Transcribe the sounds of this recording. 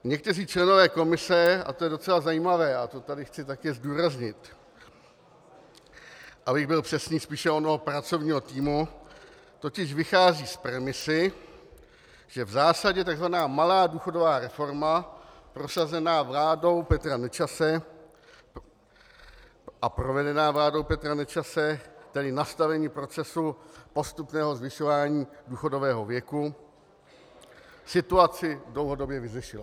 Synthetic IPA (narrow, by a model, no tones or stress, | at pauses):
ɲɛk̚t̪ɛriːt͡ʃlɛno̞vɛːko̞mɪsɛa̰t̪ojɛdo̞t͡sɛlazajiːmavɛːat̪o̞t̪adɪxt͡sɪt̪akɛːzduːɾazɲɪt̪ | ʔabɪɣbɪlpr̥ɛsɲiːspiːʃɛonoɦopɾat͡so̞vɲiːɦo̞t̪iːmu | t̪o̞cɪʃvɪxaːziːspɾɛmɪsɪ | ʒ̥ɛvzaːsaɟɛt̪aɡzvanaːmalaːduːxo̞do̞vaːɾɛfo̞ɾmapɾo̞sazɛnaːvlaːdo̞wpɛt̪ɾanɛt͡ʃasɛ | ʔapɾo̞vɛdɛnaːvlaːdo̞wpɛt̪ɾanɛt͡ʃasɛt̪ɛdɪnast̪avɛɲiːpɾo̞t͡sɛsupo̞st̪upnɛːɦo̞zvɪʃovaːɲiːduːxo̞do̞vɛːɦovjɛku | sɪt̪uat͡sɪdlo̞wɦo̞do̞bjɛvɪzɪʃɪla